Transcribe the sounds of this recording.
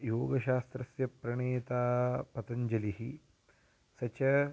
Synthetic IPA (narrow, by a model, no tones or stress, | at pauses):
joːɡɐʃaːst̪ɾɐsjɐpɾɐɳeːt̪aːpɐt̪ɐɲd͡ʒɐliɦi | sɐt͡ʃɐ